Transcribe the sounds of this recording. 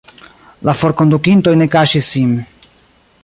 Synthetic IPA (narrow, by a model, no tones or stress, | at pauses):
lafoɾkond̪ukint̪o̞jnekaʃisim